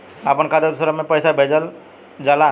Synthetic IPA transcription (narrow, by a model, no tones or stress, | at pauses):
apənkad̪əɾsəɾəmẽpəjsabʱeːd͡ʒəl | d͡ʒaːla